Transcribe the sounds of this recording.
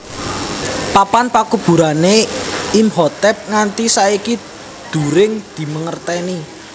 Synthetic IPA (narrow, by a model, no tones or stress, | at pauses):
papanpakub̥ṳɾaneimhɔt̪ɛp̚ŋant̪isaiki | d̪̥ṳɾɪŋd̪̥i̤məŋərt̪ɛni